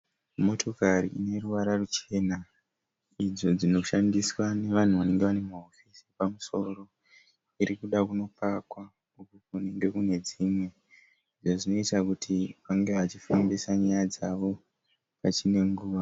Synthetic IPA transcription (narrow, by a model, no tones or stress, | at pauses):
mo̞tʰo̞karḭʔine̞ruʋaɾarut͡ʃe̞na | id͡zo̞d͡zino̞ʃandiswane̞ʋan̤uʋane̞ŋɡeʋane̞maofisipamuso̞ro̞ | iɾikuɗakuno̞pakwa | ukokune̞ŋɡe̞kune̞d͡zimwe̞ | iʐoʐino̞itakutʰiaŋɡeʋat͡ʃifambesaɲajad͡zaʋo̞ | pat͡ʃine̞ŋɡuːʋa